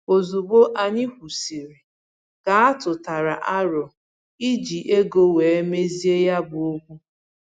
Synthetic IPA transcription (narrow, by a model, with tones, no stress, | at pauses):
o˨zu˨bo˦ʔa˨ɲɪ˦kʷu˨si˨ɾi˨ | ka˨a˦tʊ˨ta˨ɾa˨ʔa˦ɾɔ˨ | i˦d͡ʒi˨ʔe˦ɡo˦we˨e˦me˦zi˦e˦ja˦bʊ˨˦o˦kʷu˦